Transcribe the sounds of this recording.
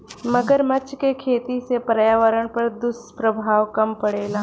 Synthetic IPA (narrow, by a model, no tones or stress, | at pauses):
mɐɡəɾmɐt͡ʃkekʰeːt̪isepɾɐjaːʋəɾəɽ̃pɐɾd̪ʊspɾəbʱaːʋkɐmpɐɽeːlaː